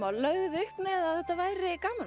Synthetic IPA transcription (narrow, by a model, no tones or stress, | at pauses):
awlœɣðʏhpmɛðaðθɛht̪ːavaːjɾɪkaːmal